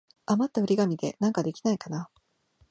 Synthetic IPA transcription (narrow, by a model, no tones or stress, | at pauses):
amat̪ːaɯ̟ɾʲiɡamʲid̪e̞̰nãŋkad̪e̞kʲi̥naikana